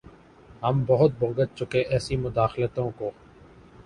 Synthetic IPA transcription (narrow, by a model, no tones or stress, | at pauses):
ɦəmbəɦʊt̪̚bõːŋɡət̪̚t͡ʃʊkeʔɛːsimʊd̪aːxlət̪õːkoː